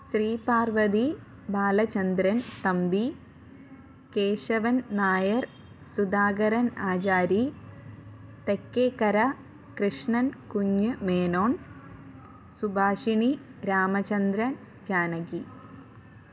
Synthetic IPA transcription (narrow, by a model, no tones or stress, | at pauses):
sriːpaːrʋɐd̪i | baːlɐt͡ɕɐnd̪ɾɐnt̪ɐmbi | keːɕɐʋɐnnaːjɐr | sud̪aːɡɐɾɐnaːt͡ɕaːɾi | t̪ekːeːkɐɾɐ | kɾɨʂɳɐnkuɲːɨmeːnoːn | subʱaːʂiniɾaːmɐt͡ɕɐnd̪ɾɐn | d͡ʑaːnɐɡi